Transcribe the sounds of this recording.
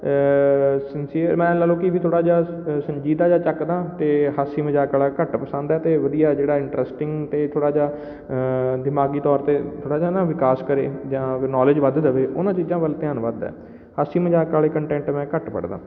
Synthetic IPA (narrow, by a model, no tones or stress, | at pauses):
sɪnsiːəɾmɛ̃ːləlõːkɪiʋiːt̪ʰoːɽaːd͡ʒaːsəɲd͡ʒiːd̪aːd͡ʒãːt͡ʃəkd̪aːt̪eːɦaːsiːməd͡ʒaːkaːlaːkəʈpəsə̃nd̪ɛːt̪eːʋəd̪ijaːd͡ʒeːɽaːɪɳʈɾɛsʈɪŋɡt̪eːt̪ʰoːɽaːd͡ʒaː | d̪ɪmaːɡiːt̪ɔːɾt̪eːt̪ʰoːɽaːd͡ʒaːnãːʋɪkaːskəɾḛːd͡ʒãːnɔːlɪd͡ʒʋəd̪d̪əʋeːʔʊnãːt͡ʃiːd͡ʒãːʋəlt̪ɪjaːnʋəd̪ɛ̰ː | haːsiːməd͡ʒaːkaːleːkəɳʈɛ̃ːɳʈmɛ̃ːkəʈpə̰ɽd̪ã̰ː